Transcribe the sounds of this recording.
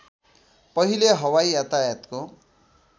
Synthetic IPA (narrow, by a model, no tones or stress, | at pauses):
pʌɦileɦʌwaiat̪ajat̪ko